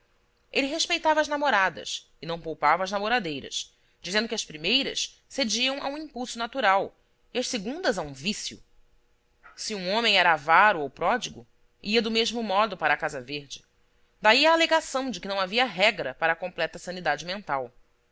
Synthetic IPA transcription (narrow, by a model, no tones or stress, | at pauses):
elɪɦeʃpejt̪avɐʒnamoɾad̪ɐ̰s | ɪnɐ̃w̃powpavɐːʒnamoɾad̪ejɾɐ̰s | d͡ʒizẽnd̪ʊkʲɪɐʃpɾimejɾɐ̰s | sed͡ʒiɐ̃w̃ʔa̰ũĩpuwsʊnat̪uɾaw | iɐʃseɡũnd̪ɐzaũvisjʊ̰ | siũõmẽj̃ɛɾɐavaɾʊowpɾɔd͡ʒiɡʊ̰ | iɐd̪ʊmeʒmʊmɔd̪ʊpaɾɐːkazɐveɾd͡ʒɪ | d̪aiaːleɡasɐ̃w̃d͡ʒɪkɪnɐ̃w̃aviɐɦɛɡɾɐpaɾɐːkõmplɛt̪ɐsɐ̃nid̪ad͡ʒɪmẽnt̪aw